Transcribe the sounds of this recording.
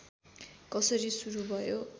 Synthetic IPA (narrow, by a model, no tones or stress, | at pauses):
kʌsʌɾisuɾubʱʌjo